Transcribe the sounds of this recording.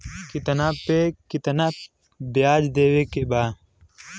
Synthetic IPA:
kit̪ɐnapekit̪ɐnat̪ | bjaːd͡ʒd̪eːwekebaː

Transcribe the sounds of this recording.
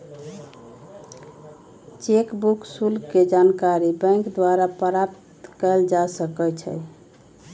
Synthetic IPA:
t͡ʃekbuksulked͡ʒankaɾibə̃ŋkd̪waɾapəɾapt̪kəld͡ʒasəkət͡ʃʰə̰j

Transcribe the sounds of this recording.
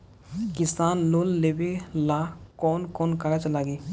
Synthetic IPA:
kɪsaːnlolːebelakɔːnkɔːnkaɾat͡ʃlaːɡi

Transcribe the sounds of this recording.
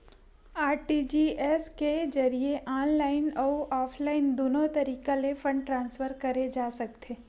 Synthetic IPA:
aːɾʈid͡ʒiɛsked͡ʒɐɾieʔaːnlaːɪnɔːʔɔːpʰlaːɪnd̪oːnot̪ɐɾiːkalefə̃ɳɖʈɾãːnsfəɾkɐɾed͡ʒaːsɐk̚t̪ʰeː

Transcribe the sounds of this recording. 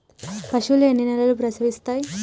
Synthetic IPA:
pɐʃulenːinɛlɐlup̬ɾɐsɐʋist̪aːji

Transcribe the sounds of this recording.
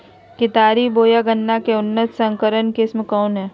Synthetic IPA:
kɪt̪aːɾiboːjaɡənːakeʊnːət̪sə̃ŋkəɾənkɪsmkɔːnɦɛː

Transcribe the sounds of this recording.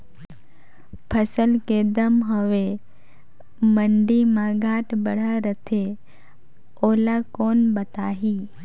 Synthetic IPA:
pʰəsəlked̪əmɦoʋe | məɳɖimãɡaːʈbəɽ̤aɾət̪ʰe | oːlakoːnbət̪aːɦiː

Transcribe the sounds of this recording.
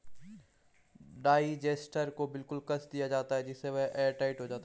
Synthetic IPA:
ɖaːid͡ʒeːsʈəɾkobɪlkʊlkɐsʰd̪ijad͡ʒaːt̪aɦɛd͡ʒɪseʋɛɦɛːʈaːɪʈɦod͡ʒaːt̪a

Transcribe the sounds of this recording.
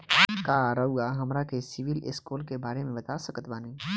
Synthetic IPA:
kaːɾɐɦuɡaɦɐmɾakesɪʋɪlɪ̰skuːlkebaːɾemẽbɐt̪aːsɐkət̪baːnẽː

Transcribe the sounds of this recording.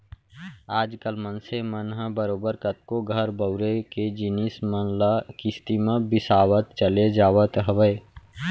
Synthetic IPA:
aːd͡ʒkəlmənsemənɦəbəɾoːbəɾkət̪̚koɡʱəɾbəʊɾeked͡ʒinismələkist̪imẽbɪsaːwət̪̚t͡ʃəled͡ʒaːʋət̪ɦəʋəe

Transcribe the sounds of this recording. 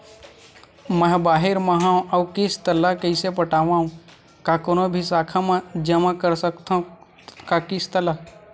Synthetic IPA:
məɦbaːɦɪɾmɐɦãɐwkɪst̪ɐlːakəɪsepəʈaːʋãːɦũ | kakonobʱisaːkʰamãd͡ʒəmakəɾsəkt̪ã | kakɪst̪ɐla

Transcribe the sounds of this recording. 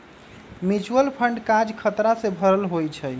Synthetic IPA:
mit͡ʃuəlpʰəɳɖkad͡ʒkʰət̪ɾasebʱəɾəlɦojt͡ʃʰɛ

